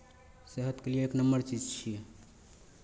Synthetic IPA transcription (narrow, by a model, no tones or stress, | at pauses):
seɦət̪kelijeeːknəmbəɾt͡ʃid͡ʒt͡ʃʰi